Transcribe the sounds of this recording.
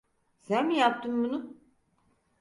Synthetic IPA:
sænmijap̚t̪ɯmbunu

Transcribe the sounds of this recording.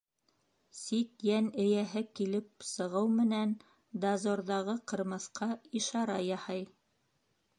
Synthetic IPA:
sit̪jænɘ̆jæɦɘkilɘpsɤ̆ʁɤwmɘ̆næn | d̪azoɾðɑʁɤqɤ̆ɾmɤ̆θqʰɑiʃɑɾɑjɑhɤj

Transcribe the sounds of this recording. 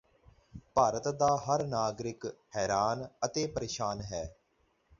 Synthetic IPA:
paːɾət̪d̪aːɦəɾnaːɡɾɪkhɛːɾaːnət̪eːpəɾeːʃaːnɦɛː

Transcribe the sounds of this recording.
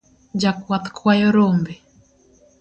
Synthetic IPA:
d͡ʒakwwat̪kʰwajɔɾɔmbɛ

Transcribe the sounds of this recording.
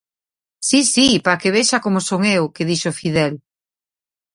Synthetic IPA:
sisipɾakeβeʃakomosoŋewkeðiʃofiðɛl

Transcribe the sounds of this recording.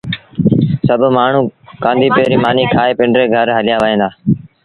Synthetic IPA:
səbʱmaːɳ̤ũːkãːnd̪ʱiːpeːɾiːmaːniːkʰaːeːpɪɳɖɾeːɡʱəɾɦəlɪjaːʋəẽːnd̪aː

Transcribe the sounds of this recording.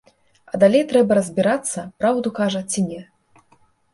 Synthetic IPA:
ɐd̪alʲejt̪ɾɛbɐɾɐzʲbʲiɾat̪sːɐpɾawd̪ukaʐɐt͡sʲinʲɛ

